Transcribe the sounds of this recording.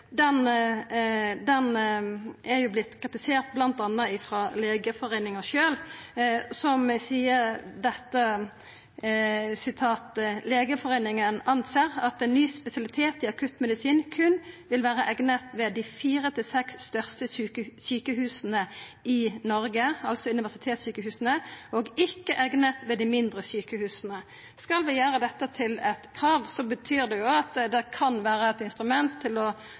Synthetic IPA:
d̪ɛn | d̪ɛn | ʔɛʁjʊblɪt̪ːkʰʁɪt̪ɪseːʁt̪̚blɑnt̪ɑnːəɪfʁɑleːɡəfɔʁeɪnɪŋəʃøːl | sɔmsiːəd̪ɛt̪ːə | sɪt̪ʰɑːt̪leːɡəfɔʁeɪnɪŋənɑnseːɾɑt̪ɛnːyːspɛsɪɑlɪt̪ʰeːt̪ɪɑkʰʉt̪ːmɛd̪ɪsiːnkʰʉnʋɪlʋæːʁəʔɛɡnət̪ʋɛd̪ɪfiːɾət̪ʰɪlsɛksːt̪œʁst̪əəsyːkəɦʉːsənəɪnɔʁɡəɑlsɔʉnɪʋæʁsɪt̪ʰeːt̪syːkəhʉːsnəɔɡɪkːəʔɛɡnət̪ʋɛd̪ɪmɪnd̪ʁəsyːkəhʉːsnə | skɑlʋɪjæːɾəd̪ɛt̪ːət̪ʰɪlɛt̪kʰʁɑːʋsɔbət̪ʰyːʁd̪ɛjʊɑt̪d̪ɛkʰɑnʋæːʁəɛt̪ɪnst̪ʁʉmɛnt̪ʰːɪlɔ

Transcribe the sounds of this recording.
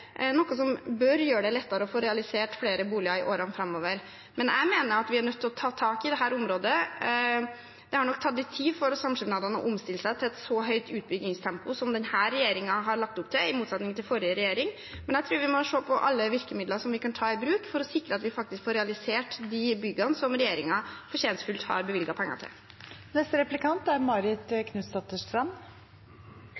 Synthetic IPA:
nɔkːəsɔmbœɾjøːɖɛlɛt̪ːɑɾəɔfoːɾɛɑlɪseːʈfleːɾəbuːlɪɑɪʔoːɾɑnfɾɑmːoːʋəɾ | mɛnæ̰ɪmeːnəɾɑt̪ʋɪæɳœt̪ʰːɪlɔt̪ʰɑːt̪ʰɑːkɪd̪ɛɦæːɾʊmɾoːd̪ə | d̪ɛhɑɳɔk̚ːt̪ʰɑt̪̚d̪ɪt̪ʰiːʋfɔɾɔsɑmʂɪmnɑːd̪ɑnɔ̰ʔʊmst̪ɪlːəsæɪt̪ʰɪlɛt̪sɔɦœʏt̪ʉːt̪̚bʏɡɪŋst̪ʰɛmpʊsɔmd̪ɛnhæːɾːɛjeːɾɪŋɑɦɑɾɭɑk̚t̪ʊpːt̪ʰɪlɪmuːt̪sɑt̪nɪŋnt̪ʰɪlfɔɾjəɾɛjeːɾɪŋ | mɛnjæt̪ʰɾʉːɾʋɪmɔʂoːpʰɔʔɑlːəʋɪɾkəmɪd̪ləɾʂɔmʋɪkɑnt̪ʰɑːɪbɾʉːkfɔɾɔsɪkɾəɑt̪ʋɪfɑk̚t̪ɪskfoːɾɛɑlɪseːʈd̪ibʏɡɑnəsɔmɾɛjeːɾɪŋɑfɔʂeːnt̪fʉlt̪hɑ̰ɾbəʋɪlɡɑpʰɛŋːɑ̰t̪ʰɪ̰l | nɛst̪əɾɛplɪkʰɑnt̪æɾmɑɾɪt̪kʰnʉst̪ɑt̪əʂt̪ɾɑn

